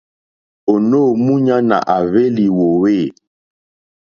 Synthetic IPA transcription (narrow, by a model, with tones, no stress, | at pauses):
o˨no˦˨mu˦ɲa˦na̰˨ʔa˨βe˦li˨wo˨we˦˨